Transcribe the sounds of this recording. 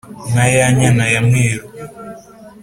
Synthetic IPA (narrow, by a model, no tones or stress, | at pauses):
najaɲanajameːɾu